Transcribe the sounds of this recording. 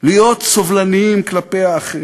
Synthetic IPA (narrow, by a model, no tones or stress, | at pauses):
lijo̞t̪sovlaniimklapejaːχ